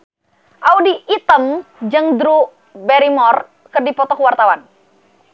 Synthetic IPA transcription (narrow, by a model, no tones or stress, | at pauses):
ʔaudiʔːt̪əmd͡ʒəŋd̪ɾu | bɛɾimɔr | kərdipɔt̪ɔkwart̪awan